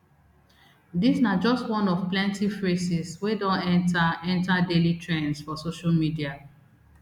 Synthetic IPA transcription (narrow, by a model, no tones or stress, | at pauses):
disnad͡ʒɔstwɔ̃nɔvplɛ̃ntifɹesiswedɔ̃nɛ̃ntaɛ̃ntadelitɹẽnsfɔsoʃalmidia